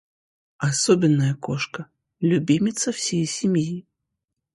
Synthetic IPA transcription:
asɔbʲɪnːɐjɐkɔʂkɐ | lʲubʲimʲit̪sɐwsʲejsʲimʲji

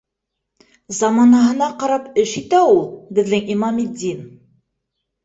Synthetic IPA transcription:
zɑmɑnɑɦɤ̆nɑqɑɾɑpɘʃit̪æulˠbɘ̆ðːɘŋimɑmid̪ːin

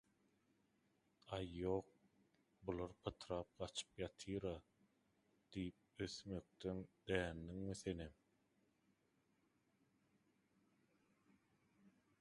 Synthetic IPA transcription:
ɑjːoːq̚ | bulˠɑɾpʰɑt̪ʰɾɑːp̚ɢɑt͡ʃʰɯ̥pjɑt̪ʰɯːɾɑ | d̪̥ijip̚øθmø̞k̚t̪ønd̪̥æːnːiŋmiθe̞nem

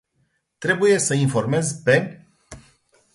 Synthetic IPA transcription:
t̪ɾe̞buje̞səinfo̞rme̞zpe̞

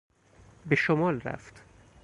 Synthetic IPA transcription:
beʃomɒːlɾæ̰ft̪

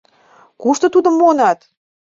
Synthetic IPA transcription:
kuʃt̪ŏt̪ud̪ə̆mːonɑt̪

